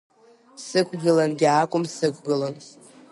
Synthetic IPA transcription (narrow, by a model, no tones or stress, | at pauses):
sɨkʷʰɡɨlanɡʲaːkʷʼʊmsɨkʷʰɡɨlan